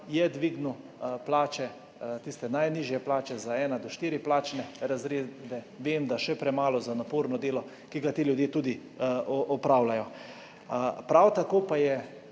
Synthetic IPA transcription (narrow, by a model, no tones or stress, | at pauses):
jɛd̪ʋiːɡnu | plaːt͡ʃɛ | t̪ist̪ɛnajniːʒjɛplaːt͡ʃɛzaɛːnad̪ɔʃt̪iːɾiplaːt͡ʃnɛɾazɾeːd̪ɛ | ʋeːmd̪aʃɛpɾɛmaːlɔzanapoːɾnɔd̪eːlɔ | kiɡat̪eːljud̪jeːt̪uːd̪i | ɔʔɔpɾawlajɔ | pɾawt̪akoːpajɛ